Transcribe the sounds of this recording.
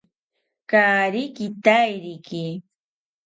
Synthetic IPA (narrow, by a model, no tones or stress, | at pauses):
kaːɾɪkɪt̪ajɾɪkɪ